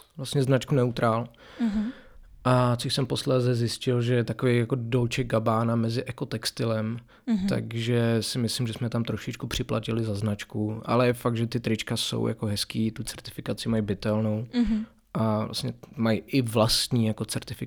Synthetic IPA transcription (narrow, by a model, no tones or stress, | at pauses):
vlast̪ɲɛznat͡ʃkunɛut̪ɾʔaːl | ʔat͡soʃsɛmposlɛːzɛzjɪscɪlʒɛjɛt̪akovejjakodolt͡ʃɛɡ̚ɡabaːnamɛzɪʔɛkot̪ɛkst̪ɪlɛm | t̪a̰ɡʒɛsɪmɪslɪmʒɛsmɛt̪amt̪ɾoʃɪt͡ʃkupr̝̥ɪpla̰cɪlɪzaznat͡ʃkuʔa̰lɛjɛfaɡ̪̚ʒɛt̪ɪt̪ɾɪt͡ʃkaso̰wja̰koɦɛskiːt̪ut͡sɛɾt̪ɪ̥fɪkat͡sɪmajbɪt̪ɛlno̞w | ʔavla̰st̪ɲɛmajʔɪvlast̪ɲiːjako̞t͡sɛɾt̪ɪfɪ